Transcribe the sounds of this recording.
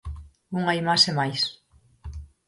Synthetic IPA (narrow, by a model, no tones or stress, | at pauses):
uŋajmasemajs